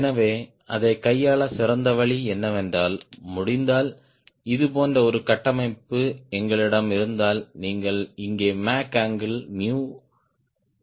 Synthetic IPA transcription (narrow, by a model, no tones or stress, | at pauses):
ɛnɐʋeː | ɐ̰ðɐɪkɐjːaːɭɐsɪɾɐnd̪ɐʋɐɭiɛnːɐʋɛndraːlmʊɽɪnd̪aːl | ɪðɯpoːndrɐɔɾɯkɐʈːɐmɐɪpːɯɛŋɡɐɭɪɽɐmɪɾɯnd̪aːlniːŋɡɐɭɪŋɡeːmaːkaːŋɡɪlmjuː